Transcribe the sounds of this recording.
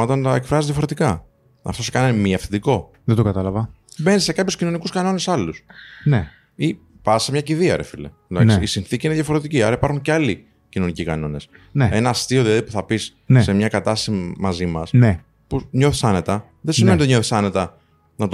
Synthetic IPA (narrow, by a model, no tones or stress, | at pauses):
ɐt̪ɐnt̪ɐekfɾɐzizðʝɐfo̞ɾe̞t̪ikɐ | ɐ̰ft̪o̞sekɐnɐnmieɐfθind̪iko̞ | ðend̪okɐt̪ɐlɐvɐ | be̞nise̞kɐpçoscino̞nikuskɐno̞ne̞sɐlusne | i | pɐsemɲɐciðiɐɾefilḛlɐ̰ksiisinθiciineðjɐfoɾe̞t̪iciɐɾɐipɐɾxuɲceɐli | cino̞nicikɐno̞ne̞s | nee̞nɐːst̪io̞ðilɐðipuθɐpis | nese̞mɲɐkɐt̪ɐst̪ɐsimɐzimɐsne | puɲo̞θisɐne̞t̪ɐ | ðesimenit̪eɲoθi̥sɐne̞t̪ɐ | nɐt̪